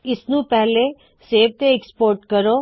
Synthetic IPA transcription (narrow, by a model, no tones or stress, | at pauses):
ɪsnũpɛɦle | seːʋt̪eɛkspoːɾʈkəɾoː